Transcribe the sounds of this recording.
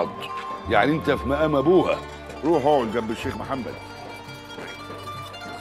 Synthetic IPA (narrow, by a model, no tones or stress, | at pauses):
d̪ˤjaʕniʔent̪æfimæʔæmæbuːhæ̰ | ɾˤuːħowolɡæbːeʃːeːxmaħamːæ̰d̪